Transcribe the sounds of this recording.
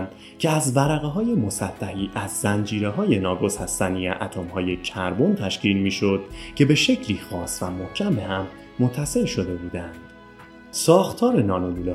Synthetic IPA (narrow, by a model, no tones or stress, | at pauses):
nd̪ | cʰeæzvæɾæɣeɦɒːje̞mo̞sæt̪ʰːæɦiːʔæzːænd͡ʒiːɾe̞ɦɒːje̞nɒːɡo̞szhæst̪ænieʔæt̪ʰomhɒːje̞cʰæɾbont̪ʰæʃcʰiːlmiːʃod̪̥̚cʰe̞be̞ʃe̞cʰliːxɒːsvæmohcʰæmehæmː | ot̪ʰːæse̞lʃo̞d̪e̞buːd̪ænd̪̥ | sɒːxt̪ʰɒːɾe̞nɒːnoluːle